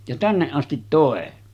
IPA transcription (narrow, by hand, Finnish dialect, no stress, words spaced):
jɑ tænːeʔ ʔɑstit toˑe